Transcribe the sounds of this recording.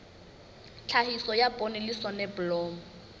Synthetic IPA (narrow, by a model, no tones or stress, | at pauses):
t͡ɬʰahisɔjapʼonelisɔnɛbʊlɔːmɔ